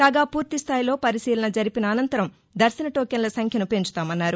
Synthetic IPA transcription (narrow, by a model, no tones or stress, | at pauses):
kaːɡaːpuːɾt̪ist̪ʰaːjlo̞ːpɐɾisiːlɐnɐd͡ʒɐɾipinɐːnɐnt̪ɐɾɐm | d̪ɐɾsɐnɐʈo̞ːkɐnlɐsɐŋkʰjɐnupe̞ɲt͡ʃu̥t̪aːmɐnːaːɾu